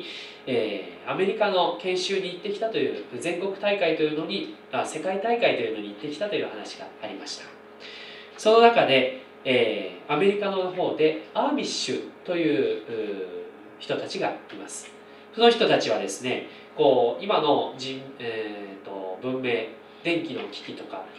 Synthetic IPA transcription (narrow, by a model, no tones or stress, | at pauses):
eːame̞ɾʲikano̞kẽ̞ɰ̃ɕɨːɲ̟iːt̪ːe̞kʲi̥t̪at̪o̞jɯ̟ːzẽ̞ŋko̞kɯ̟̥t̪aikait̪o̞jɯ̟no̞ɲ̟iase̞kait̪aikait̪o̞jɯ̟no̞ɲ̟iːt̪ːe̞kʲi̥t̪at̪o̞jɯ̟ːhanaɕi̥ɡ̥a̰ːɾʲimaɕi̥t̪ḁ | so̞no̞nakad̪e̞ | eːame̞ɾʲikanoɦo̞ːd̪e̞amʲiɕɨt̪o̞jɯ̟ːɯː | çi̥t̪o̞t̪at͡ɕiɡaimasɨ̥ | so̞no̞çi̥t̪ot̪at͡ɕiβ̞ad̪e̞sɨne̞̰ | ko̞ːimano̞d͡ʑĩm | t̪ːo̞̰bɯ̟̃mːe̞ː | d̪ẽ̞ŋkʲino̞kʲi̥kʲit̪o̞ka̰